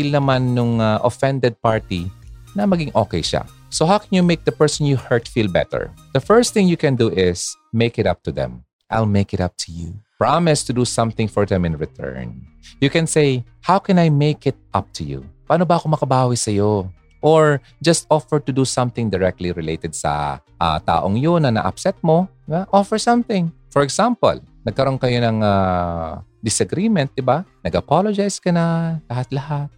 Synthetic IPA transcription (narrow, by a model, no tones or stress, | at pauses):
ilnɐmanːʊŋaʔofɛ̃nd̪ɛd̪̚paɹt̪inɐmɐɡɪŋʔo̰ːkɛjʃa̰ | soɦawkʰɛnjumeɪk̚d̪ɐpɛɹsɔ̃njuhɛɹt̪filbɛ̰t̪ɛ̰ɹð̥ɐfɛɹst̪t̪ɪ̃ŋjukɛ̃nd̪uʔɪsmeɪkɪt̪ɐ̰p̚t̪uðɛ̰̃m | ʔa̰jlmeɪkɪt̪ɐp̚t̪ʰujṵpɹamɪst̪ʊd̪usʌ̃mθɪ̃ŋfɔɹðɛ̃mɪ̃nɹɪt̪ʰɜ̰ɹnjukɛ̃nsej | hawkɛ̃najmeɪkɪt̪̚ʔɐp̚t̪ʰujṵpaːnobɐʔɐkomɐkɐbaːwisɐjo | ʔoɹ | d͡ʒɐst̪̚ʔɔfɛɹt̪ʊd̪usɐ̃mθɪ̃ŋd̪ɛɹɛk̚t̪liɾɪlḛjt̪ɛd̪̚sɐ̰ʔa̰t̪a̰ːʔoŋjonːɐnɐ̰ʔa̰psɛt̪̚mo | ɪbaʔofɛɹsɐ̃mθɪ̃ŋfɔɹɛɡsãmpɐ̰lnɐɡ̚kɐɾo̞nkɐjonɐŋa | d̪ɪsɐɡɾimɛ̃nt̪̚d̪ɪbanɐɡɐpalod͡ʒajskɐnɐlɐɦat̪̚lɐɦat̪̚